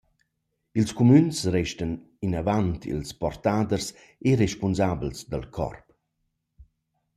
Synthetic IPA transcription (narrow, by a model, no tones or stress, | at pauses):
ilskomynsrɛʃtən | inavantḭlspɔrt̪ad̪ərs | eɾeʃpunzablsd̪əlkʰɔ̰rp